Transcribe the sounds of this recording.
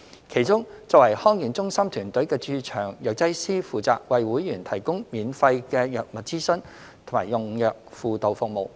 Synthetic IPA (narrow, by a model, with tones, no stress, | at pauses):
kʰe˨˩jt͡sʊ˥ŋt͡sɔː˧k̚wɐ˨˩jhɔː˥ŋjyː˨˩nt͡sʊ˥ŋsɐ˥mt̪ʰyː˨˩nt̪ɵ˨˥ɥkɛː˧t͡ʃyː˧t͡ʃʰœː˨˩ŋjœː˨k̚t͡sɐ˥jsiː˥fuː˨t͡sa̰ː˨k̚wɐ˨jwuː˨˥jjyː˨˩nt̪ʰɐ˨˩jkʊ˥ŋmiː˨˧nfɐ˧jkɛː˧jœː˨k̚mɐ˨t̚t͡siː˥sɵ˥n | t̪ʰmaː˨˩jʊ˨ŋjœː˨k̚fuː˨t̪o˨wfʊ˨k̚mo˨˧w